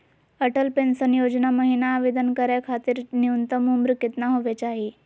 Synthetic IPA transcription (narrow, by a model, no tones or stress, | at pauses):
əʈəlpensənjod͡ʑnaməɦinaːʋed̪ənkəɾjakʰat̪iːɾniunt̪əmumbɾuket̪naɦoʋat͡ɕaɦi